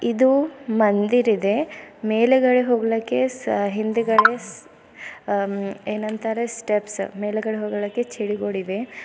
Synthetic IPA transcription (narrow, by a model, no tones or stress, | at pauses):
id̪umɐnd̪iɾid̪e̞meːleɡɐɭeɦoːɡɐɭɐkːe̞ɦind̪uɡɐɭes | eːnɐnt̪ɐɾesʈepsmeːleɡɐɭeɦoːɡɐɭɐkːet͡ʃiɽiɡoɽid̪e